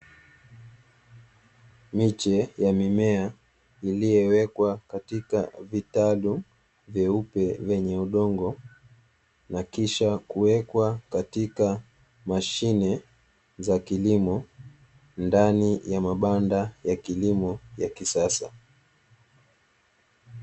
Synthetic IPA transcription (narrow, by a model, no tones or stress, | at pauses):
mit͡ʃɛjamimɛa | ilijɛwɛkwakatika̰vitalu | vjɛupɛvɛɲɛuɗɔŋɡɔ | nakiʃakuwɛkwakatika | maʃinɛ | zakilimɔ | ndanijamaɓandajakilimɔjakisasa̰